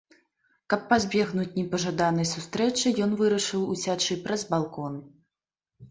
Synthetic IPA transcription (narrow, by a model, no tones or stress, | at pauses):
kɐpːazʲbʲɛɣnut͡sʲnʲɛpɐʐad̪anɐjsust̪ɾɛt͡ʂɨjɔn̪vɨɾɐʂɨwusʲat͡ʂɨpɾɐzbalˠkɔn